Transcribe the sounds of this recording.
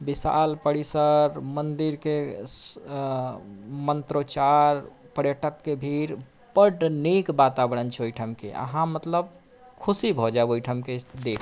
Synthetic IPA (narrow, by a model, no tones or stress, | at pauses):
bisa̰lpəɽisəɾmənd̪iɾke | mənt̪ɾot͡ʃaɾ | pəɾjəʈəkːebʱiɾ | pəɖnikbat̪abəɽənt͡ʃʰɛojʈʰəmkḛʔə̰ɦãmət̪ləb̚ | kʰusibʱɔd͡ʒaebojʈʰəmked̪ekʰ